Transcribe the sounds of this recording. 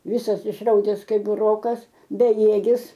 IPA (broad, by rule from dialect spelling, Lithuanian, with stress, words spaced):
ˈʋʲɪsɐs ɪʃˈrɐʊdʲɛs ˈkɐɪp bʊˈroːkɐs bʲɛˈjeːɡʲɪs